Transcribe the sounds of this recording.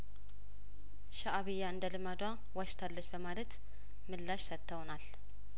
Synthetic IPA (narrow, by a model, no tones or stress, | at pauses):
ʃaʔaβɨjːaɨnd̪əlɨmad̪wa | waʃt̪ʰalːət͡ʃːbəmalət̪ | mɨlːaʃsət̪ʰːəwnal